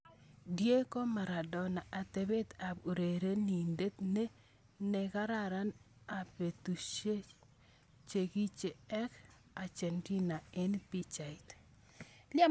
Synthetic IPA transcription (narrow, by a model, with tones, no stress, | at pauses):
dje˦ko˦ma˨ɾa˨dɔ˨na˨ʔa˨t̪e˨be˦t̪a˨bu˨ɾe˨ɾe˦ni˨nde˦t̪ne˦ | ne˨ka˦ɾa˦˨ɾa˦n | a˨pe˨tu˨ʃe˦ | t͡ʃe˨ki˦t͡ʃe˨ɛ˦k | a˨t͡ʃe˨nti˦na˨ɛ˦npi˦t͡ʃa˨i˨t | la˦